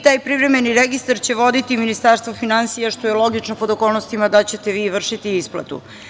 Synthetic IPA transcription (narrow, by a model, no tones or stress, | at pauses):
t̪aːjpɾivɾeme̞niɾeɡist̪aɾt͡ɕe̞ʋo̞d̪it̪iminist̪aɾst̪ʋofinansijaʃt̪o̞jelˠo̞ɡit͡ʃnopo̞d̪oko̞ːlˠnost̪imad̪at͡ɕe̞t̪eʋiːʋr̩ʃit̪iisplˠa̰t̪ṵ